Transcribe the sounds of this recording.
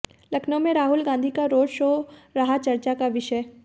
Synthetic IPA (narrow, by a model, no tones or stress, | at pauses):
lɐkʰnõmẽɾaːɦʊlɡãːnd̪ʱikaɾoːd͡ʒʃoːɾɐɦat͡ʃɐɾt͡ʃakaʋɪʃə